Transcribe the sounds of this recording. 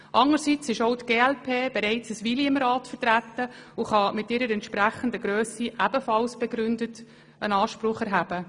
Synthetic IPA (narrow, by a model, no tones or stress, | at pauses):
ʔɑŋəɾsit͡sɪʃoʊtɡ̥eːɛlpʰeːb̥ɛɾɛɪt͡səsʋiliəmɾɑːtfəɾtɾætːəʊχɑmɪtɪɾəɾɛntʃpɾæχəndəɡɾøːsiʔæbəfɑlsb̥ɛɡɾʏndət | ʔə̰nɑːʃpɾʊχɛɾɦæb̥ə